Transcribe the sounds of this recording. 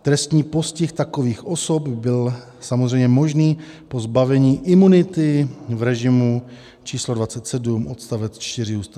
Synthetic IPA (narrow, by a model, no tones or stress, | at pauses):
t̪ɾɛst̪ɲiːpo̞scɪxt̪akoviːxʔo̞sopbɪl | samozr̝ɛjmɲɛmo̞ʒniː | po̞zbavɛɲiːʔɪmunɪt̪ɪvɾɛʒɪmu | t͡ʃiːslodvat͡sɛt̪sɛdumʔot̪st̪avɛt͡st͡ʃt̪ɪr̝ɪuːst̪a